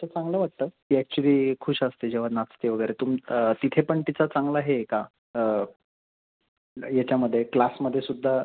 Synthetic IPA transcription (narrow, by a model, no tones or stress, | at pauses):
t͡ɕət͡sãŋɡləːʋaʈ̚t̪əːkiːɛk̚t͡ɕuliːkʰuɕəst̪ed͡ʑeʋ̤anat͡st̪eʋəɡəjɾet̪umt̪it̪ʰepəɳʈ̪it͡sat͡saŋɡlaɦeka | ə | jat͡ɕjaməd̪ʱːjeklasməd̪ʱːjesud̪ʱːa